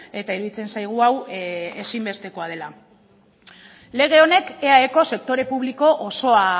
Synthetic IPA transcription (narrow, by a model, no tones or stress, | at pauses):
e̞t̪aiɾuðit͡se̞nsajɣ̞uawe̞simbe̞st̪e̞ko̞að̞e̞la | le̞ɣ̞e̞o̞ne̞ke̞aeko̞se̞k̚t̪o̞ɾe̞puβ̞liko̞ʔoso̞a